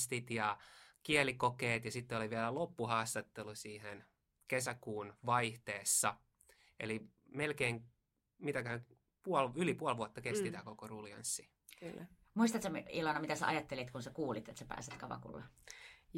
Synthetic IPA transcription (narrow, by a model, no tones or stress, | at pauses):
st̪it̪jɑkiɛlikokeːt̪jɑsit̪ːeoliʋiælælopːuhɑːst̪ɑt̪ːelusiːhen | kesækuːnʋɑiht̪eːsːɑ | eli | melkeːŋ | mit̪æk | puɑlylipuɑlʋuɑt̪ːɑkest̪it̪ækokoruliɑ̰nsːi | lː | muist̪ɑt̪semilɑnɑmit̪æsḛʔɑ̰jɑt̪ːelit̪kunsekuːlit̪ḛt̪sæpæ̰ːset̪kɑʋɑ̰kṵlːe